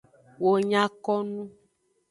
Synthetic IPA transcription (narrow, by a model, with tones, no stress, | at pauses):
wo˨ɲã˦kɔ˦nũ˦